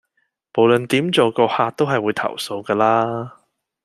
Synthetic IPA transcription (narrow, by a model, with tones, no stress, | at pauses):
mo˨˩wlɵ˨nt̪iː˨˥mt͡so˨˧wkɔː˧haː˧t̚t̪o˥wɦɐ˨jwuː˨˧jt̪ʰɐ̰˨˩wso˧wkaː˧laː˥